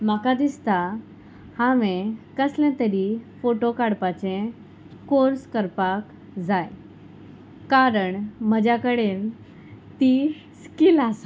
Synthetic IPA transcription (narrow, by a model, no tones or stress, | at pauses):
makad̪ist̪a | haʋẽkəslɛ̃t̪əɾifoʈokaɽpat͡ɕẽ | koɾskəɾpak | d͡zaj | kaɾəɳməd͡ʑjakəɽen | t̪i | skilas